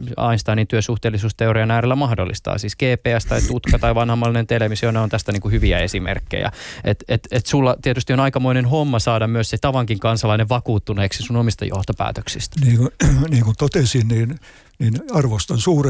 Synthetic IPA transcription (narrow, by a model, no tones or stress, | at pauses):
ɑ̰inst̪ɑːniːnt̪yøsuht̪eːlːˑisuːst̪eoriɑnæːɾelːæmɑhdolːḭst̪ɑ̰ːsiːskeːpeːæst̪ɑit̪ut̪kɑt̪ɑiʋɑnhɑmːɑlːinent̪eleʋmisoneont̪æst̪æniːŋkuhyʋiæesimḛrkːḛjæ̰et̪et̪et̪sulːɑt̪iet̪yst̪ionɑikɑmoinenɦomːɑsɑːdɑmmyøsset̪ɑʋɑŋkiŋkɑnsɑlɑineʋʋɑkuːt̪ːuneːksisunomist̪ɑ̰jo̰ht̪opæ̰ːt̪ø̥ksist̪æniːkoniːŋkunt̪ot̪esinniːn | niːnɑrʋost̪ɑnsuːre